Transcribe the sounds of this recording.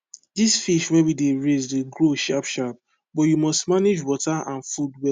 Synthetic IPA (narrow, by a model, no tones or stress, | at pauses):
disfiʃwɛwideɹezdeɡɹoʃapʃap̚ | bɔtjumɔstmaned͡ʒwɔtaʔãnfudwɛ